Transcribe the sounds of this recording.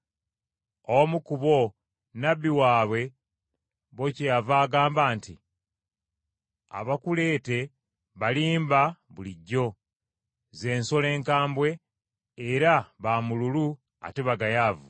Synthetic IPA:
omukuβo̞ | nabːiwaːβwe̞ | βo̞cejavaːɡaːmbaːnti | a̰βakule̞ːte̞ | βaliːmbaβuliɟːo̞ | ze̞ːnso̞le̞ːŋkaːmbwe̞ː | ɾaβamululu | a̰teβaɡajaːvu

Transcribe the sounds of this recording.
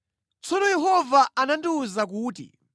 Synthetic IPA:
t͡sɔnɔjɛɦɔvaʔanandiuzak̬uːtḭ

